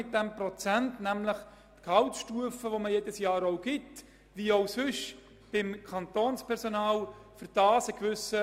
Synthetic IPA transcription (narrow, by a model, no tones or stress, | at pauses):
ɪt̚d̥ɛmprot͡sæntnæmləχ | t̪kʰɑʊtʃtuəfəʋoməjed̥əsjɑːɾoʊɡɪt | ʋioʊsʏʃ | b̥ɪmkʰɑnt̪oːnspʰɛɾsonɑːlfʏɾd̥ɑːsəkʋʏsə